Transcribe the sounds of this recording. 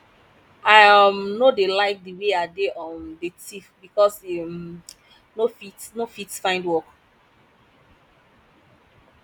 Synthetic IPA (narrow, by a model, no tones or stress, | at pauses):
amnodelaɪk̚dəweadeʔɔndetʰifbikɔsem | nofitnofitfãɪ̃ndwɔk